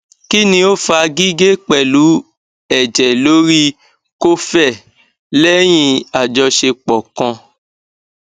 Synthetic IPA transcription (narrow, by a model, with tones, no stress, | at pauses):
ki˦nĩ˧o˦fa˧ɡi˦ɡe˦k͡pɛ˨lu˨˦ | ɛ˦˨d͡ʒɛ˨lo˨˦ɾi˦ | ko˦fɛ˦˨ | lɛ˦j̃ĩ˧a˨d͡ʒɔ˧ʃe˧k͡pɔ˨kɔ̃˧